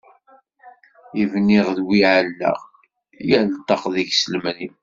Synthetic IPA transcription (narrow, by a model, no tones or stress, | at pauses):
ivniʁðwiʕəlːæ̰ʁ | jəlt̪ˤːɑqðiçsəlmnim